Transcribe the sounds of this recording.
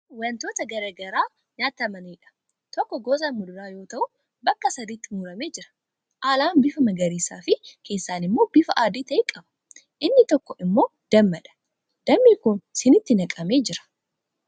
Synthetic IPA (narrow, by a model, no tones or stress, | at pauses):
wɐnt̪o̞ːt̪ɐɡɐɾɐɡɐɾaː | ɲaːt̪ɐmɐniːᶑɐ̥ | t̪ɔkːɔɡoːzɐmmʊd̪ʊɾaːjo̞ːt̪ɐʔʊ | bɐkːɐsɐd̪iːt̪ːɪmuːɾɐme̞ːd͡ʒɪɾɐ̥ | ʔaːlaːnbɪfɐmɐɡɐɾiːsaːfɪkʰe̞ːsːaːnɪmːo̞ːbɪfɐʔaːd̪iːt̪ɐʔekʼɐbɐ̥ | ʔɪnːɪt̪ɔkːɔʔɪmːo̞ːd̪̥ɐmːɐᶑɐ̥ | d̪̥ɐmːikʊnsɪnɪt̪ːɪnɐkʼɐme̞ːd͡ʒɪɾɐ̥